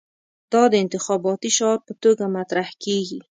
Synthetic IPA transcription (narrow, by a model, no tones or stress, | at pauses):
t̪ɔd̪əɪnt̪ɪxɔbɔt̪iʃɑɾ̚pət̪oɡamat̪ɾahkeɡi